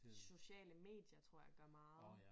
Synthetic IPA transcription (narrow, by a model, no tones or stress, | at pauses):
so̝ɕɛ̰ːləme̝̰ːd̥jɐt͡sʰʁo̝ɐ̰jaɡ̥ɶɐmɑ̈ːð̩ˠ